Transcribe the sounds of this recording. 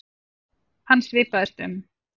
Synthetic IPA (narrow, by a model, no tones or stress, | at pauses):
hanːsvɪːpaðɪst̪ʏ̰m